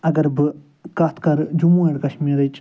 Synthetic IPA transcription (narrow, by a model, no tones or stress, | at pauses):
ɐɡɐɾbɨ | kɐːt̪ʰkɐɾd͡ʒumũeɽkɐʃmiːɾɐt͡ʃ